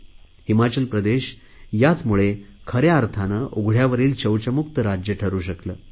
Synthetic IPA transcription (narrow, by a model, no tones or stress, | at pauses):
himat͡ɕəlpɾəd̪eɕ | jat͡smuɭekʰəɾjaːɾt̪ʰanəːʔoɡʱɽ̤jaʋəɾiːlt͡ɕəwt͡ɕəmukt̪əɾad͡ʑjəʈʰəɾuːɕəkləː